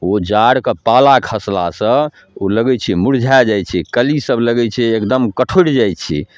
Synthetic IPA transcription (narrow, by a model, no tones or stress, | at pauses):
od͡ʒaɽkepalakʰəsla̰sə̃ | oləɡɛt͡ʃʰɛmuɾd͡ʒʱad͡ʒajt͡ʃʰikəlisəbləɡɛt͡ʃʰɛekd̪əmkəʈʰoʈd͡ʒajt͡ʃʰḭ